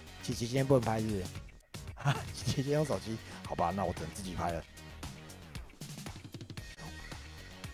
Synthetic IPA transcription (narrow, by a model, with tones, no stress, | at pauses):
t͡ɕʰi˧˥˩t͡ɕʰi˧˥ɕ̬ʰi˦jpu˥˩hə˨˩npʰa˧˥ɪs̩˥˩ | a˨i˧˥ɕʰi˧˥t͡ɕjɛ˥˦jo˥˧ŋsɑ˨˩ʊt͡ɕʰi˦˥xɑ˨˩ʊba˦na˥˩˨wɔ˨˩t̪ə˨ŋ˧t͡sɹ̩˥˩t͡ɕi˨˩pʰa˥ɪlə˨˩